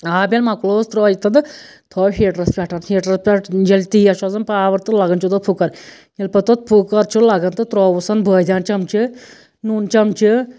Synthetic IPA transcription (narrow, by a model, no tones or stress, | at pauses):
aːbʲelmakloːst̪ɾɔːjit̪ɐnd̪ɨ | t̪ʰɔːɦeːʈɾɐspʲɐʈʰɐnhiːʈɾɐspʲaʈd͡ʒɐlʲt̪iːaʃazɐnpaːʋɐɾt̪ɨlɐɡɐnt͡ʃʰut̪ɔt̪̚pʰukːɐɾ | jɐlʲpɐt̪ot̪̚pʰukːɐɾt͡ʃʰulɐɡɐnt̪ɨt̪ɾɔːʋusɐnbʱəːjd̪ʲaːnt͡ʃɐmt͡ʃʰi | nunt͡ʃɐmt͡ʃʰɨ